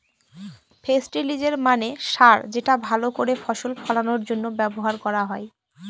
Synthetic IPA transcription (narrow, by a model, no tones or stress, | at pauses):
fʰesʈilid͡ʑeɾmaneʃaɾd͡ʑeʈabʱalokoɾefɔʃolfʰɔlanoɾd͡ʑonːobɛboɦaɾkɔɾaɦɔe